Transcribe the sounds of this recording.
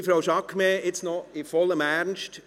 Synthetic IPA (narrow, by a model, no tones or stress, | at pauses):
fɾawʃɑkmeɪt͡snɔɪfɔləmæɾnʃt